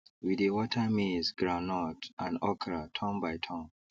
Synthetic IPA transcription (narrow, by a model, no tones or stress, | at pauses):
widewɔtʰəmizɡɹãnɔtãndɔkʰɹatʰɔ̃mbajtʰɔ̃m